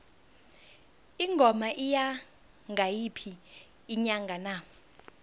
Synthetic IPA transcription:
iŋɡʱɔmaʔija | ŋɡʱajipʰiː | ɲaŋɡʱana

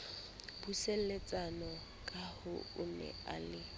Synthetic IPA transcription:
buselet͡sʼanɔ | kʼahʊʊnɛ̰a̰lɪ

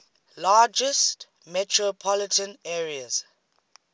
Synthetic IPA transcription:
laːd͡ʒəst | mɛtʰɹɔpʰɔlɪtə̃nɛːɹiəz̥

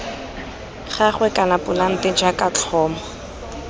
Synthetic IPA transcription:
χaχwɛkʼanapʼʊlaŋ̩tɪd͡ʒakʼat͡ɬʰɔːmɔ

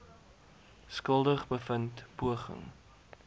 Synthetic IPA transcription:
skəlˠdəχbəfəntpuəχə̰ŋ

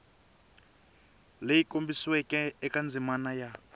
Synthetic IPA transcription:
lejikʼombiswɛkʼɛɛkʼand͡zʱimanaja

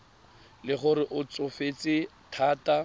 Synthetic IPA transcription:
lɪχʊɾɪʔʊt͡sʊfet͡sʼɪtʰaːta

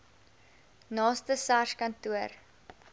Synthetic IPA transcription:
nɑːstəsarʃkɐntuər

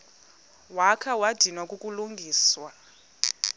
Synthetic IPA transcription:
wakʰawad̥ʱinwakʼukʼuluŋɡʱiːswa

